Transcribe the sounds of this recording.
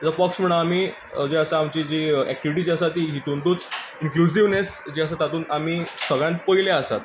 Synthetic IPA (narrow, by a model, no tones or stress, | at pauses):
at͡sapɔksm̤əɽ̃aamiː | d͡ʑeəsaamt͡ɕid͡ʑiɛ̰k̚ʈiʋiʈ̬iːd͡ʑiəsat̪iːɦit̪unt̪uːt͡sinklus̬iʋnesd͡ʑiəs̬at̪ːat̪uːnam̤iːsəɡɭjãnt̪̚pəileəsa̰t̪